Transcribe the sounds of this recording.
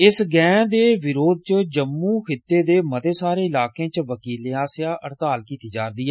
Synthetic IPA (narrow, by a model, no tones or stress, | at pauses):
ɪsɡɛ̃ːd̪eːʋɪɾoːd̪̚t͡ʃəd͡ʒəmːuːkʰɪt̪ːeːd̪eːmət̪eːsaːɾeːɪlaːkẽːt͡ʃʋəkiːleaːsɪjaːʔəɽt̪aːlkiːt̪iːd͡ʒa̰ːɾd̪iːɦɛː